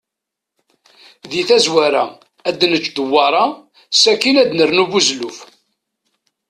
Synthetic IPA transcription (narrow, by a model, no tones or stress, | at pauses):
ðiθæzwæɾæ | æd̪nət͡ʃːd̪əwːɑɾˤɑ | sækinæd̪nəɾnuvuzluf